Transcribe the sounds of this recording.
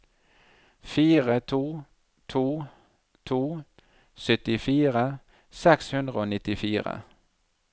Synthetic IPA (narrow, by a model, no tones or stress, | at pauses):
fiːʁət̪ʰuː | t̪ʰuː | t̪ʰuː | sœt̪ɪfiːʁə | sɛkshɵnd̪ʁəoːnɪt̪ːɪfiːʁə̰